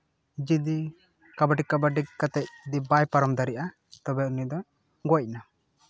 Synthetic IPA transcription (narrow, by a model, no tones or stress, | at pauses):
d͡ʒid̪i | kabaʈikːabaɖikkat̪ɛc̚d̪ibajpaɾɔmd̪aɾiʔa | t̪ɔbɛunid̪ɔ | ɡɔc̚na